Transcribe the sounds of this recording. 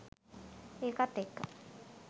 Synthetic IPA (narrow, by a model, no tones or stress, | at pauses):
eːkat̪ːekːə